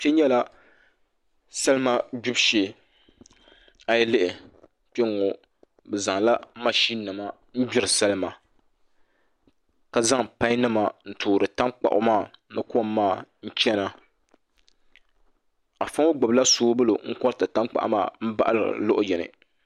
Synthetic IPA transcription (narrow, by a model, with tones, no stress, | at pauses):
pɛ˦ɲɛ˦la˦ | sɛ˦lɨ˦ma˦d͡ʒu˦bʃeː˨˦ | a˨jɛ˦lɪ˦ʔɪ˨ | pɛ˦ŋɔ˨ | bɛ˨za˨ŋla˦ma˦ʃi˦nɨ˨ma˦ | n̩˦bɪ˦ɾɨ˨sa˦lɨ˦ma˨ | ka˨za˦ŋpã˦i˦nɨ˦ma˨n̩˦tʰuː˨ɾɨ˨ta˦ŋk͡pa̰˨ʔʊ̰˨maː˦˨nɨ˦kmːaː˦˨n̩˦t͡ʃɛ˦na˦ | a˨fa˦ŋo˦ɡ͡bɔ˨bla˦soː˦bɨ˦lo˨ŋ̩˦kɔ˦ɾta˨ta˦ŋk͡pa̰˨ʔmaː˦˨m̩˦ba̰˦ʔa˦lɨ̰˨lʊ˦ʔʊ˦jɛ˨nɨ̰˨